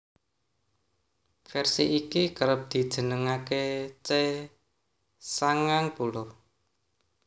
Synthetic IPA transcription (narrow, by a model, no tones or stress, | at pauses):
fɛrsiʔikikəɾəp̚d̪̥i̤d̥ʒ̥ə̤nəŋaket͡ʃe | saŋaŋpulɔ